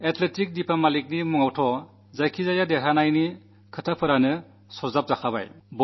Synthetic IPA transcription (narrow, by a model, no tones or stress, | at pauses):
etʰletik̚dipʰamalik̚nimuŋawtʰɔ | zajkʰizajadeɦanajni | kʰɯtʰapʰɯɾanɯ | sɔzap̚zakʰaba̰jb